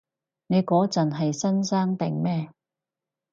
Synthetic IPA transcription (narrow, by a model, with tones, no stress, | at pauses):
ne˨˧jkɔː˨˥t͡sɐ˨nɦɐ˨jsɐ˥nsaː˥ŋt̪ɪ˨ŋmɛː˥